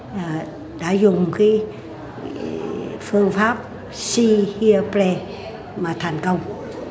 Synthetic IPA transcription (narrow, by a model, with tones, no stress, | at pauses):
ɗa̰ː˧˥zʊ˨˩ŋ͡mkiː˨˦ | fɨ˧əŋfaː˦˥p̚ | si˧hi˧ə˧ple˧ | maː˨˩t̪ʰɛ˨˩jŋ̟kə˧wŋ͡m